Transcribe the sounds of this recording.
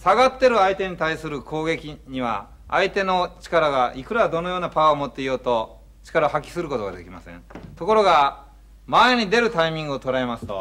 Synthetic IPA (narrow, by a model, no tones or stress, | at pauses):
saɡat̪ːe̞ɾɯ̟ait̪e̞ɲ̟it̪aisɨɾɯ̟kʰo̞ːɡe̞kʲiɲ̟iβa̰ː | it̪e̞no̞t͡ɕi̥kaɾaɡaʔikɯ̟ɾad̪o̞no̞jo̞ːnapaaomo̞t̪ːe̞ijo̞ːt̪o̞ | t͡ɕi̥kaɾaohɦakʲi̥sɨɾɯ̟ko̞t̪oɡad̪e̞̰kʲima̰sḛ̃nt̪o̞ko̞ɾo̞ɡa | maeɲ̟id̪e̞ɾɯ̟t̪aimʲĩŋɡɯot̪o̞ɾae̞masɨ̥t̪o̞̰